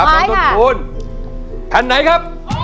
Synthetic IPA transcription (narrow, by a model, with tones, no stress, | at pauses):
p̚ːa˨˦so˨˦pʰuː˨˦˥n | p̪ʰɛ˨˧˦nːa˨˦jkʰa˦˥p̚